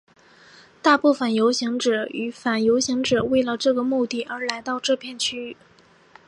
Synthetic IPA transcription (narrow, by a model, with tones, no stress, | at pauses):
t̪a˥˧pu˥˩fə˨˩njo˧˥ʊɕi˧˥ŋʈ͡ʂɤ˨˩y˧˥˩fa˨˩njo˧˥ʊɕi˧˥ŋʈ͡ʂɤ˨˩we˥˩ɪlə˩ʈ͡ʂɤ˥˩ɡə˩mu˥˧t̪i˥˩ʔə˞˧˥la˧˥ɪt̪ɑ˥˧ʊʈ͡ʂɤ˥˧pʰjɛ˥˧nt͡ɕʰy˥˩